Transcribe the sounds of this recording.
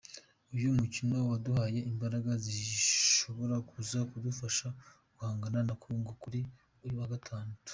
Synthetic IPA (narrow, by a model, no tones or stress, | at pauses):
ujumucino̞waduhaje̞imbaɾaɡaziʃo̞βo̞ɾakʰuzakudufaʃa | kuhaːŋɡananakʰuːŋɡokuɾi | ujuwaɡatʰaːndatu̥